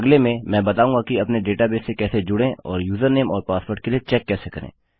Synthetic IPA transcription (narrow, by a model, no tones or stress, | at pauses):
ɐɡlemẽmɛ̃ːbɐt̪aːũːŋɡakiɐpneɖeːʈabeːsekɛːsed͡ʒʊɽẽʔɔːɾjuːzəɾneːmɔːɾpaːspoːɾʈ̚keliet͡ʃɛːkːɛːsekɐɾḛ̃ː